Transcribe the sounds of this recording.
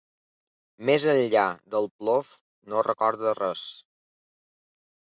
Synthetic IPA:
mezənʎad̪əlˠplof | norəkɔɾðərɛs

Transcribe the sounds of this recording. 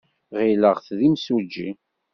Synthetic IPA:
ʁiləʁθðimsud͡ʒːḭ

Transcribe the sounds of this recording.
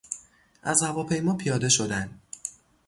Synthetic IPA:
ʔæzhævɒːpʰe̞jmɒːpʰijɒːd̪e̞ʃo̞d̪ænd̪

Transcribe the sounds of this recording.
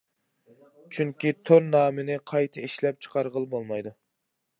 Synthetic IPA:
t͡ʃʰyŋkʲit̪ʰonnːɑːmɪnɪqʰɑjt̪ʰɨiʃlɛp̚t͡ʃʰə̥qʰɑɾʁəlˠbolˠmɑjd̪u

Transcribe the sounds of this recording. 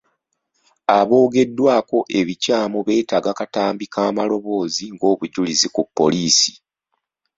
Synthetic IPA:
aβo̞ːɡe̞dːwaːko̞ʔe̞βicaːmuoβe̞ːtaːɡakataːmbikaːmalo̞βo̞ːziŋɡo̞ːβuɟulizikupːo̞̰liːsi̥

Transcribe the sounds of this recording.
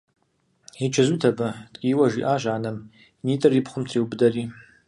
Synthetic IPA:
it͡ʃʰazutʰabatʼkʲʼiwaʒḭʔaʒʷaʕːnam | nitʼɨripʰχʷʊmtʰriwbdari

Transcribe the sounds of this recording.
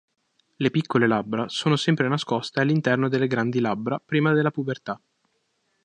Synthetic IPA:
lepikːolelabːɾasoːnosɛmpɾenaskost̪ealːint̪ɛrnod̪elːeɡɾand̪ilabːɾapɾiːmad̪elːapuvert̪a

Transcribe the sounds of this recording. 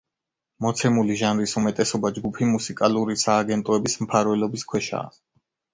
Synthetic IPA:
mɔt̪sʰɛmuliʒanɾisumɛt̪ʼɛsɔbad͡ʒɡupʰimusikʼaluɾisaːɡɛnt̪ʼɔɛbismpʰaɾvɛlɔbiskʰwɛʃa̰ː

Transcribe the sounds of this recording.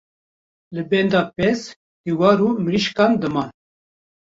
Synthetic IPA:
lɨbɛnd̪ɑːpɛz | d̪̥iwɑːɾuːmɾiʃkɑːnd̪ɨmɑːn

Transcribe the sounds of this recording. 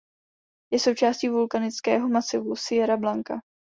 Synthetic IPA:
jɛso̞wt͡ʃaːsciːvulkanɪt͡skɛ̰ːɦo̞masɪvusɪjɛɾablaŋka̰

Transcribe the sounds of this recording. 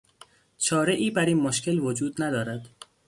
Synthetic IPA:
t͡ʃʰɒːɾeʔiːbæɾiːnmoʃcʰʲe̞lvod͡ʒuːd̪næd̪ɒːɾæd̪̥

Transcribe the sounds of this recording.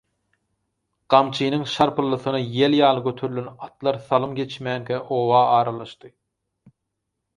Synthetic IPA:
ɢ̥ɑmt͡ʃʰiːnɯŋʃɑɾpʰɯlˠːɯθɯnɑjeljɑːlˠɯɡøt̪ʰøɾylʲønɑt̪lˠɑɾθɑlˠɯmɡe̞t͡ʃmæːŋkʲʰæʔowɑːɑːɾɑlˠɑʃt̪ɯ

